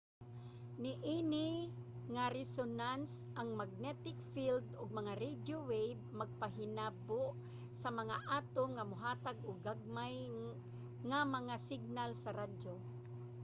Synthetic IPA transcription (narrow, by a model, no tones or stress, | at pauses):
nɪʔinɪŋaɾɛsonansʔaŋmaɡ̚nɛt̪ɪkfild̪ʊɡ̚mɐŋaɾɛd͡ʒjowejb̚maɡ̚paɦɪnaboʔ | sɐmɐŋaʔaːt̪oŋamʊɦaːt̪aɡʊɡaɡ̚maj | ŋamɐŋasɪɡ̚nalsɐɾad͡ʒo